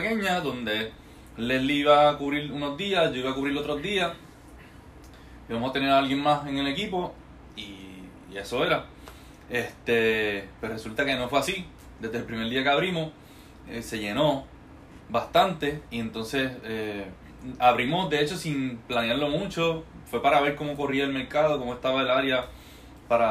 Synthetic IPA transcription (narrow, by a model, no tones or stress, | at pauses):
keɲaðo̞nd̪e̞ | leliiβakuβɾiɾuno̞zd̪iasd͡ʒo̞iβakuβɾiɾlo̞t̪ɾo̞zd̪ias | iβamosat̪e̞ne̞ɾaalɡje̞ŋmase̞ŋe̞le̞kipo̞ | iː | e̞so̞e̞ɾa | e̞ht̪e̞pwere̞sult̪ake̞no̞fweasi | d̪e̞zðelpɾime̞ɾd̪iakeaβɾimo̞s | ese̞ʝe̞no̞ | bast̪ant̪e̞ie̞nt̪o̞nse̞se | aβɾimo̞sd̪e̞et͡ʃo̞siŋplaneaɾlo̞mũt͡ʃo̞fwe̞paɾaβe̞ɾko̞mo̞ko̞riaelme̞ɾkað̞o̞komost̪aβaelaɾja | paɾa